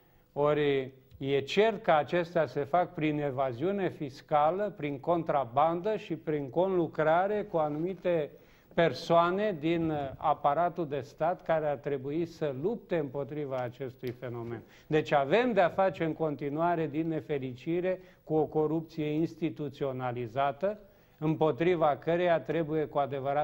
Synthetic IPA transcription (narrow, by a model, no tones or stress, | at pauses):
o̞rʲ | je̞t͡ʃe̞rt̪̚kəat͡ʃe̞st̪ease̞fak̚pɾine̞vaziune̞fiskaləpɾiŋko̞nt̪ɾaband̪əʃipɾiŋko̞nlukɾaɾe̞kuanumit̪e̞ | pe̞rsoane̞d̪ina̰paɾat̪uld̪e̞st̪at̪kaɾeart̪ɾe̞buisəlup̚t̪e̞ɨmpo̞t̪ɾivaːt͡ʃe̞st̪ujfe̞no̞me̞̰n | d̪e̞t͡ʃave̞md̪eafat͡ʃe̞ɨŋko̞nt̪inuaɾe̞d̪inːe̞fe̞lit͡ʃiɾe̞kuo̞ko̞ɾup̚t̪sije̞inst̪it̪ut̪sio̞nalizat̪ə | ɨmpo̞t̪ɾivakəɾejat̪ɾe̞buje̞kuad̪e̞vəɾa